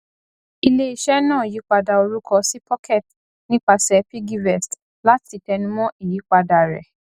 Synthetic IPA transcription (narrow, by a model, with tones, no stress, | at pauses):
i˧le˦i˨ʃɛ˦nãː˦˨ji˨˦k͡pa˧da˧o˧ɾu˦kɔ˧si˦pʰɔ˦kʰɛ˦˨t | nĩ˦k͡pa˧sɛ˧pi˦ɡi˦vɛ˨st | la˦ti˨˧tɛ˧nũ˦mɔ̃˦ʔi˦˨ji˨˦k͡pa˧da˧ɾɛ̰˨